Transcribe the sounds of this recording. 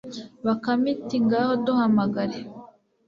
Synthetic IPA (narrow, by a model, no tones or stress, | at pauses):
βakamitiŋɡahoduhamaɡaɾe